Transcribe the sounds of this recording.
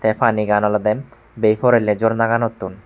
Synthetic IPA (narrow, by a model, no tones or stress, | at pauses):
t̪efaniɡanɔlɔd̪em | bejfoɾelːed͡ʑoɾnaɡanot̪ːun